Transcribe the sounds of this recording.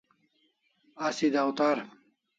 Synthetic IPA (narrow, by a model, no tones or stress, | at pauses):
ɐsid̪ɐwt̪aɾ